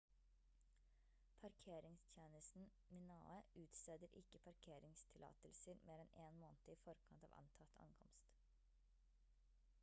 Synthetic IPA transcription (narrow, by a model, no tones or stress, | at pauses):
pʰɑɾkʰeːɾɪŋst̪ʰjeːnəst̪n̩ | mɪnɑ̰ːəʉːt̪seːd̪əɾʔɪkəpʰɑɾkʰeːɾɪŋst̪ʰɪlɑ̰ːt̪əlsəɾmʔeːɾɛnʔeːnmoːnt̪əiːfɔɾkʰɑnt̪ɑ̰ːʋʔɑ̰nt̪ʰɑt̪ʰɑ̰ŋkʰɔmst̪